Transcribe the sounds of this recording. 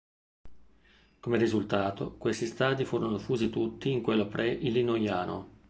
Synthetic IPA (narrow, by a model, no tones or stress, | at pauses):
komerizult̪aːt̪o̰kwest̪ist̪aːd̪ifuːɾonofuːzit̪ut̪ːiːŋkwelːopɾʔɛʔilːinojaːno̰